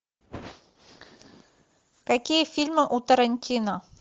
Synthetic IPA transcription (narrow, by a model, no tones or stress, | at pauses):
kakʲijəfʲilʲmɨʔut̪əɾɐnʲtʲʰino